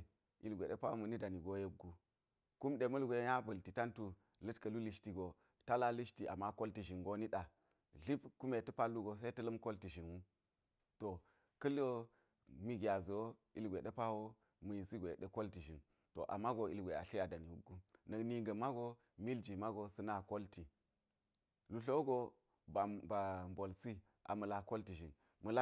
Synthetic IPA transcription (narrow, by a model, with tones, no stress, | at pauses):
i˨lɡʷḛ˨ɗe˦pa˦o˦mu˨ni˦da˨ni˨ɡo˨je˦ɡːu˦ | ku˦mɗe˨mɐ˦lɡʷe˨˦ja˦bɐ˨lti˨ta˦ntu˨ | lə˦tkɐ˨lu˦li˦ʃti˨ɡo˨ | ta˦la˦li˦ʃti˨ʔa˨mːa˦ko˦lti˨ʒi˨nɡo˦ni˦ɗa˨ | ɮi˦bku˦me˨tu˦pa˦lːu˦ɡo˨s̬e˦tɐ˦lɐ˦mko˦lti˨ʒi˨nwu˦ | to˨ | kɐ˦lo˦ | mi˦ɡi˨a˨zu˨wo˦i˨lɡʷe˨ɗe˦pa˦wo˦ | mə˨ji˨si˦ɡʷe˨ɗə˦ko˦lti˨ʒi˨n | to̰˨ʔa̰˨mːa˦ɡo˨ḭ˨lɡʷe˨a̰˨ɬi˦a˨da˨ni˨wṵ˦ɡu˦nɐ˨kni˨ɡɐ˨ma˦ɡo˦ | mi˦ld͡ʒi˨ma˦ɡo˨sɐ˦na˦˨ko˦lti˨ | lu˨ɬo˦ɡo˦ | ba˨ba˨mbo˨lsi˦ | ʔa̰˨mɐ˨la˨ko˦lti˨ʒi˨n | mə˨la˦